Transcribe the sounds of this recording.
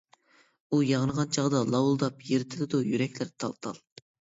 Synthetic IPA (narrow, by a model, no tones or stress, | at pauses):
ujɑʁənəʁɑnt͡ʃʰɑʁd̪ɑlˠɑwulˠd̪ɑpjeɾɪt̪ʰɪd̪ɪd̪ujyɾɛkʲlɪɾt̪ʰɑlˠt̪ʰɑ̰lˠ